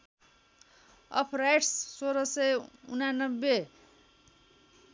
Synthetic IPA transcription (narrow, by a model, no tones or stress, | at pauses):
ʌ̰pʰrajʈsːoɾʌseṵnanʌbːe